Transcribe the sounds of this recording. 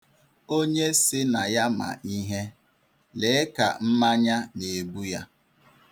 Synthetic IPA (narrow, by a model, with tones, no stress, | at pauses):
o˦ɲe˦sɪ˦na˨ja˦ma̰˨ʔi˦ɦe˦ | le˨˦ɪ˦ka̰˨m̩˦ma˦ɲa˦ne˨bu˦ja˦